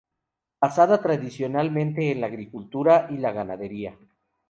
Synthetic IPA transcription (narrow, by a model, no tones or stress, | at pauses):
basaðat̪ɾaðisjo̞nalmẽ̞nt̪e̞ːnlaːɣɾikult̪uɾaʔilaɣanaðe̞ɾia